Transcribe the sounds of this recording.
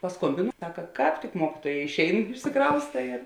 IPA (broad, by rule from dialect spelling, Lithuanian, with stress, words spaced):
pɐˈskoːmʲbʲɪnʊ ˈsɑːkɐ ˈkɑːp tʲɪk ˈmuɔkʲɪtuɔjɛ ɪʃʲˈɛɪn ɪʃʲsʲɪˈkrɐʊstɐ ɪr